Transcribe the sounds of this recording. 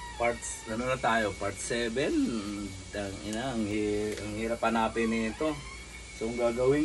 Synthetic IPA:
paɾt̪sɡɐnonɐt̪aːjopaɾt̪sɛːbɛn | ɐŋɪnaɐŋhiɐŋhiɾɐpanaːpɪnɪɪt̪o | soŋɡaːɡɐwɪ

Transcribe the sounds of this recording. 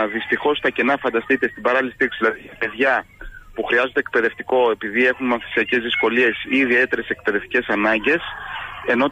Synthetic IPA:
ðist̪ixo̞st̪ɐce̞nɐfɐnd̪ɐst̪it̪est̪ibɐɾɐliist̪iksizðilɐðiɐpe̞ðʝɐpuxɾiɐzond̪ek̚pe̞ðe̞ft̪iko̞e̞piðie̞xunmɐnθi̥siɐce̞zðisko̞lie̞siːðie̞t̪e̞ɾe̞se̞k̚pe̞ðe̞ft̪i̥ce̞sɐnɐɲɟe̞se̞no̞

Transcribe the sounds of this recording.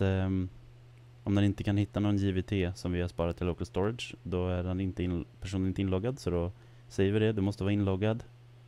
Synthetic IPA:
ɔmd̪ɛnɪnt̪əkʰanhɪt̪ːanɔnjɪvɪt̪ʰeːsɔmvɪhaʂpɑːɾat̪ʰːɪlokəlst̪ɔɾad̪ʂd̪ɔæɖɛnɪnt̪əɪnpʰæʂ̬uːnnɪnt̪əɪnlɔɡːad̪sɔd̪ɔ | sɛjːəvɪɖ̪ɛd̪ɵmɔst̪əvɑːɾɪnlɔɡːad̪

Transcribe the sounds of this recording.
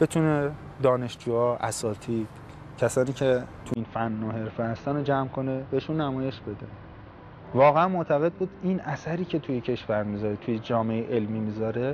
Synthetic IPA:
b̥e̞t̪ʰune | d̪ɒːne̞ʃd͡ʒuːɒːʔæsɒːt̪ʰiːd̪̥ | cʰæsɒːniːcʰe̞t̪ʰuinfænːoɦe̞ɾfehæst̪ænod͡ʒæmkʰo̞nebeʃunːæmɒːje̞ʃbe̞d̪e | vɒːɣeænmoʔt̪ʰæɣe̞d̪̚buːd̪inʔæsæɾiːcʰe̞t̪ʰujecʰe̞ʃvæɾmizɒːɾet̪ʰujed͡ʒɒːmeeʔelmiːmizɒːɾe̞

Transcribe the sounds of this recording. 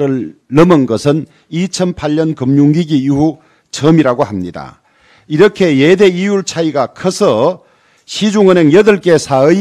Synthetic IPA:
ɾɯɭːʌmɯnɡʌsʰɯn | it͡ɕʰʌnpʰaʎːʌnkɯmɲuŋɡiɡiiɦu | t͡ɕʰʌmiɾaɡohamɲida̰ | iɾʌkʰe̞jede̞ijuɭt͡ɕʰaiɡakʰʌsʰʌ | ɕʰid͡ʑuŋɯneŋjʌdɯɭk͈e̞sʰaɯ

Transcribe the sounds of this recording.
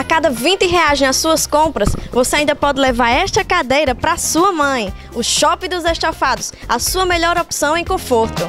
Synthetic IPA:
akad̪ɐvĩt̪ɪɦeaʒẽj̃asuɐskõpɾɐsvoseaĩd̪ɐpɔd̪ɪlɛvaɾɛʃt̪ɐkad̪ejɾɐpɾasuɐmɐ̃j̃ | ʊʃɔpɪd̪ʊzeʃt̪afad̪ʊsa̰suɐmɛʎɔɾɔpsɐ̃w̃ẽj̃kõfoɾt̪ʊ

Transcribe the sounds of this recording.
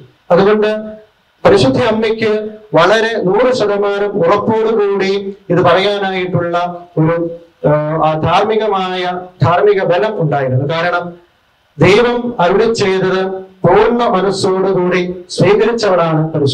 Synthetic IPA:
ɐðuɣo̞ɳɖɨ | pɐɾiʂɐd̪ʱːiɐmːikʲːɨʋɐɭɐɾe̞nuːrɨɕɐðɐmaːɾɐmkuɭɐpːoːɽukuːɽiiðɨpɐrɐjaːnaːjiʈːuɭːɐoɾu | ad̪ʱaːrmiɣɐmaːjɐd̪ʱaːrmiɣɐbɐlɐmuɳɖaːjiɾunːukaːɾɐɳɐm | d̪ejʋɐmɐɾuɭit͡ɕːe̞jðɐðɨpoːnːɐmɐnɐsoːɽukuːɽisriːɣɐɾit͡ɕːɐʋɐɽaːɳɨpɐɾiʂ

